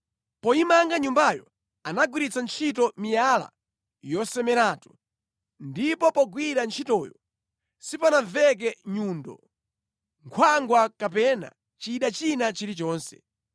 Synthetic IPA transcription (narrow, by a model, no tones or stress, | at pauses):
pɔimaŋɡaɲumbajɔ | anaɡwiɾit͡sʰant͡ʃʰitɔmijala̰ | jɔsɛmɛɾaːtu̥ | ndipɔpɔɡwiɾant͡ʃʰitɔːjɔ̰ | sipanaɱvɛk̬ɛɲuːndɔ̰ | ŋkʰwaŋɡwakapɛna̰ | t͡ʃiːɗat͡ʃinat͡ʃiɾit͡ʃɔːnsɛ̥̰